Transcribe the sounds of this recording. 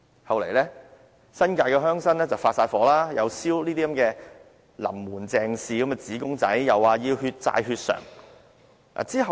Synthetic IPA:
hɐ˨wle˨˩jlɛː˥ | sɐ˥nkaː˧jkɛː˧ɦœː˥ŋsɐ˥nlɛː˥t͡sɐ˨wfaː˧tsaː˧tfɔː˨˧˥laː˥jɐ˨˧wsiː˥wliː˥d̪iː˥kɐ˨mkɛː˧ | lɐ̰˨˩mːuː˨˩nt͡sɛː˨ŋsiː˨˧kɐ˨˥mkɛ˧t͡siː˨˥kʊ˥ŋt͡sɐ˨˥jjɐ˨˩waː˨˧jiː˧wɦyː˧t̚t͡sa̰ː˧jɦyː˧t̚sœ̰ː˨˩ŋ | a̰ː˨t͡siː˥ɦɐ˨

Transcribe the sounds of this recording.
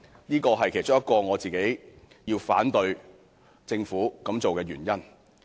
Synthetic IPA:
niː˥kɔː˧ɦɐ˨jkʰe˨˩jt͡sʊ˥ŋjɐ˥t̚kːɔː˧ŋɔː˨˧t͡siː˨ke˨˥j | jiː˧wfa̰ː˨˥nt̪ɵ˧ɥ | t͡sɪ˧ŋfuː˨˥kɐ˨˥mt͡so˨wkɛː˧jyː˨˩njɐ˥n

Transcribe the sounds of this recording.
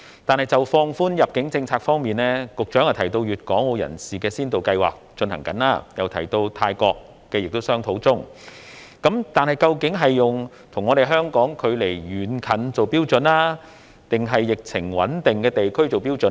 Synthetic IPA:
t̪aː˨nhɐ˨jt͡sɐ˨wfɔː˧ŋfuː˥njɐ˨p̚kɪ˨˥ŋt͡sɪ˧ŋt͡sʰaː˧k̚fɔː˥ŋmiː˨nlɛː˥kʊ˨k̚t͡ʃœː˨˥ŋjɐ˨˩t̪ʰjt̪o˧wjyː˨t̚kɔː˨˥ŋwo˨˧jɐ̰˨˩nsiː˨˩kɛː˧siː˥nt̪o˨wkɐ˧jwa̰ː˨˩k̚t͡ʃɵ˧nhɐ˨˩ŋkɐ̰˨˥nlaː˥jɐ˨wt̪ʰɐ˨˩jt̪o˧wt̪ʰaː˧jkɔː˧kː | ɛː˧jɪ˨k̚t̪o˥wsœː˥ŋt̪ʰo˨˥wt͡sʊ˥ŋ | kɐ˨˥mt̪aː˨nhɐ˨jkɐ˧wkɪ˨˥ŋɦɐ˨jːʊ˨ŋ | t̪ʰʊ˨˩ŋɔ˨˧ɾe˨jɦœː˥ŋkɔː˨˥ŋkʰɵ˨˧ɥle˨˩jɥyː˨nkʰɐ˨nt͡so˨wpiː˥wt͡sɵ˨˧˥naː˥ | t̪ɪ˨ŋɦɐ˨jːɪ˨k̚t͡sʰɪ̰˨˩ŋwɐ̰˨˥nt̪ɪ˨ŋkɛː˧t̪e˨jkʰɵ˥ɥt͡so˨wpi˥wt͡sɵ˨˥

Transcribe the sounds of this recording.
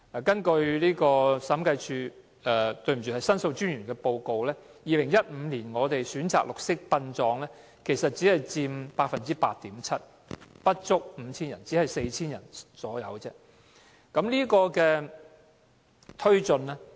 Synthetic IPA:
ɛ˨kɐ˥nkɵ˧ɥliː˥kɔː˧sɐ˨˥mkɐ˧jt͡ʃʰyː˧ | ɛ˨˧t̪ɵ˧ɥm̩˨˩t͡ʃy˨˩hɐ˨jsɐ˥nso˧wt͡ʃyː˥nɥyː˨˩nkɛː˧po˧wko˨˧wlɛː˥ | jiː˨˧lɪ˨˩ŋjɐ˥t̚m̩˨˧liː˨˩nŋɔː˨˧t̪e˨jsyː˨˥nt͡sa̰ː˨k̚lʊ˨k̚sɪ˥k̚pɐ˧nt͡sɔː˨˧ŋlɛː˥ | kʰe˨˩jsɐ˨t̚t͡si˨˥hɐ˨jt͡siː˧mpaː˧k̚fɐ˨nt͡siː˥paː˧t̚t̪iː˨˥mt͡sʰɐ˥t̚ | pɐ˥t̚t͡sʊ˥k̚m̩˨˧t͡sʰiː˥njɐ̰˨˩nt͡siː˨˥hɐ˨jse˧jt͡sʰiː˥njɐ̰˨˩nsɔː˨˥jɐ˨˧wt͡sɛː˥ | kɐ˨˥mliː˥kɔː˧kɛː˧ | t̪ʰɵ˥ɥt͡sɵ˧nlɛː˥

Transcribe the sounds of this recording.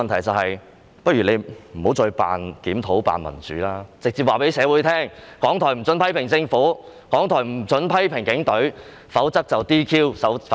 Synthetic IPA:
ɐ˨nt̪ʰɐ˨˩jt͡sɐ˨whɐ˨j | pɐ˥t̚ɥy˨˩ne˨˧jm̩˨˩ho˨˥wt͡sɔː˧pa̰ː˨nkiː˨˥mt̪ʰo˨˥wpa̰ː˨nmɐ̰˨˩nt͡sy̰ː˨laː˥t͡sɪ˨k̚t͡siː˧p̚waː˨pe˨˥jsɛː˨˧wuː˨˥jt̪ʰɛː˥ŋkɔː˨˥ŋt̪ʰɔː˨˩jm̩˨˩t͡sɵ˨˥npʰɐ˥jpʰɪ˨˩ŋt͡sɪ˧ŋfuː˨˥ | kɔː˨˥ŋt̪ʰɔː˨˩jm̩˨˩t͡sɵ˨˧˥npʰɐ˥jpʰɪ˨˩ŋkɪ˨˥ŋt̪ɵ˨˥ɥ | fɐ˨˥wt͡sɐ˥k̚t͡sɐ˨wt̪iː˥kʰiː˥wsɐ˨˥w

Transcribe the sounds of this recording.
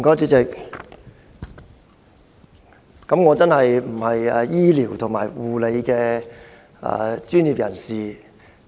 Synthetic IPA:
kɔː˨˥t͡syː˨˧˥t͡sɪ˨k̚ | kɐ˨˥mŋɔː˨˧t͡sɐ˥nhɐ˨jm̩˨˩hɐ˨jɛ˨jiː˥liː˨˩wt̪ʰʊ˨˩ŋmaː˨˩jwuː˨le˨˧jkɛː˧ | ɐ̰˨˧t͡ʃyː˥njiː˨˩p̚jɐ˨˩nsiː˨

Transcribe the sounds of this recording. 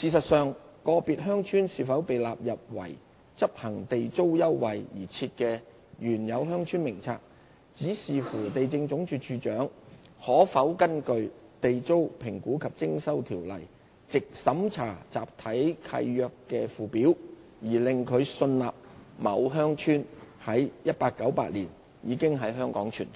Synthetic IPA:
siː˧˩sɐ˨t̚sœː˨ŋkɔː˧piː˨t̚ɦœː˥ŋt͡ʃʰyː˥nsiː˨˧fɐ˨˥wpe˨jlaː˨p̚jɐ˨p̚wɐ̰˨˩j | t͡sɐ˥p̚hɐ˨˩ŋt̪e˨jt͡so˥wjɐ˥wːɐ˨˩jjiː˨˩t͡sʰiː˧t̚kɛː˧ | ɥyː˨˩njɐ˨˧wɦœː˥ŋt͡ʃʰyː˥nmɪ˨˩ŋt͡sʰa̰ː˧k̚ | t͡siː˨˥siː˨fuː˨˩t̪e˨jt͡sɪ˧ŋt͡sʊ˨˥ŋt͡ʃyː˧t͡ʃʰyː˧t͡ʃœː˨˥ŋhɔː˨˥fɐ˨˥wkɐ˥nkɵ˧ɥ | t̪e˨jt͡so˥wpʰɪ˨˩ŋkuː˨˥kʰɐ˨p̚t͡sɪ˥ŋsɐ˥wt̪ʰiː˨˩wlɐ̰˨˩j | t͡sɪ˨k̚sɐ˨˥mt͡sʰaː˨˩t͡sa̰ː˨p̚t̪ʰɐ˨˥jkʰɐ̰˧jːœː˧kːɛː˧fuː˨piː˨˥w | jiː˨˩lɪ˨˧ŋkʰɵ˨˧ɥsɵ˧nlaː˨p̚mɐ˨˧wɦœː˥ŋt͡ʃʰyː˥nhɐ˨˥jjɐ˥t̚paː˧kːɐ˨˥wpaː˧t̚liː˨˩n | jiː˨˧kɪ˥ŋɦɐ˨˥jɦœː˥ŋkɔː˨˥ŋt͡ʃʰyː˨˩n

